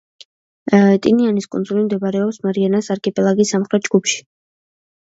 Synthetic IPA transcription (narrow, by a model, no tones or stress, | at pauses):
t̪ʼḭnianiskʼṵnd̪zulimd̪ɛbaɾɛɔpsmaɾianasaɾkʼɛpʼɛlˠaɡisamχɾɛt̪̚d͡ʒɡ̥upʰʃi̥